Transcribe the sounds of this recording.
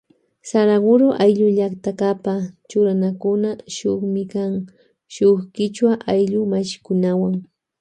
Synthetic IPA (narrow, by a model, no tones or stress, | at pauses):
saɾaɢʊɾoʔajʎʊʎakt̪akapat͡ʃʊɾanakʊnaʃʊχmɪkaŋ | ʃoχkɪt͡ʃwaʔajʎʊmaʃɪ̥kʊnawaŋ